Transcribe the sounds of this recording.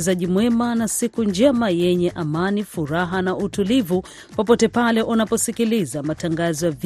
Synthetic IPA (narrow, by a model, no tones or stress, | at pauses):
zaʄimwɛmanasikund͡ʒɛmajɛɲɛʔamanifuɾaɦanautulivu | pɔpɔtɛpalɛʔunapɔsikilizamataŋɡazɔjav